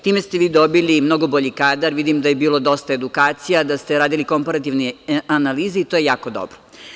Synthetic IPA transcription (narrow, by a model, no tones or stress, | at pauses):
t̪iːmest̪e̞ʋiːd̪o̞bilimno̞ɡo̞boʎikaːd̪aɾʋid̪imd̪ajebiːlod̪o̞st̪ae̞d̪ukaːt̪sijad̪ast̪e̞ɾaːd̪iliko̞mpaɾat̪iʋneanaliːziːt̪ojejaːkod̪o̰bɾo